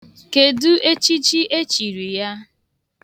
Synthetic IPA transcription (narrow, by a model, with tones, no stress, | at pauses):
ke˨du˦ʔe˦t͡ʃi˦t͡ʃi˦ʔe˦t͡ʃi˨ɾi˨ja˦